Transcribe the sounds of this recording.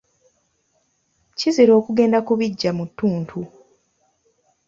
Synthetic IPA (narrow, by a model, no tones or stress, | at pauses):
ciziɾo̞ːkuɡe̞ːndakuβiɟːamutːuːntʰu